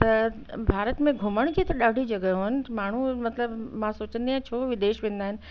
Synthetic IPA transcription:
t̪ɐ | bʱaːɾət̪mẽɡʱʊməɽ̃kʰeːt̪ɐɗaːɖʱid͡ʑɐɡəɦoɪnɪ̆maːɳ̤umɐt̪ləbmãsoːt͡ɕə̃nd̪iãːt͡ɕʰoːʋɪd̪eːʃʋẽːn̆d̪aːɦɪnɪ̆

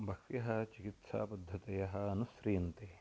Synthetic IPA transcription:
bʱɐkʰtjɐɦɐt͡ʃikit̪sa̰ːpɐd̪ʱːɐt̪ɐjɐɦɐɐnusɾiːɐnt̪e

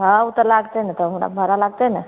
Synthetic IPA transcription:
ɦãut̪əɾlaɡt̪əjnat̪əmuɽa̰bʱəɾalaɡ̚t̪əjna

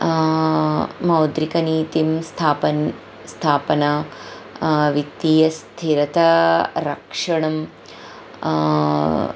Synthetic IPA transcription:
mɐwd̪ɾikɐniːt̪imst̪ʰaːpɐ | st̪ʰaːpɐnɐ | ʋit̪iːjɐst̪ʰiɾɐt̪ɐɾɐkʂɐɳɐm

